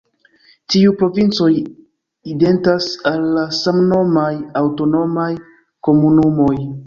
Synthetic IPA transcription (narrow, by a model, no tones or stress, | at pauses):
tiupɾo̞vint͡so̞j | ide̞ntasalːasamno̞majawto̞no̞maj | ko̞munumo̞j